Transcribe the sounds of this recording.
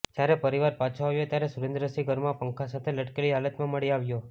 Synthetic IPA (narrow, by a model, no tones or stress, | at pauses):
d͡ʒjaɾepəɾiʋaɾpat͡ʃʰõaʋjot̪jaɾesuɾẽnd̪ɾəsiɡəɾmãpəŋkʰasat̪ʰeləʈkeliɦalət̪mãməɭiaʋjo